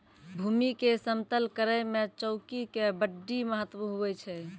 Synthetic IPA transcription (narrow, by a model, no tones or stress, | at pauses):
bʱumikesəmt̪əlkəɾəjmet͡ʃəʊkikebəɖːiməɦət̪ʋuɦubɛt͡ʃʰɛ